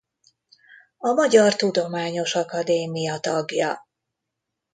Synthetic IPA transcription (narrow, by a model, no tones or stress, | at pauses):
ɒmɒɟɒrt̪ud̪o̞maːɲo̞ʃɒkɒd̪eːmijɒt̪ɒɡjɒ